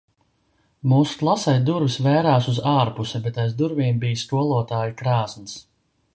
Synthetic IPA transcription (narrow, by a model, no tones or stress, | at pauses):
muːsklˠasajd̪uɾvisvæːɾaːsuzaːɾpusɛbɛt̪ajzd̪uɾviɛmbijskuɔlˠuɔt̪aːjikɾaːsns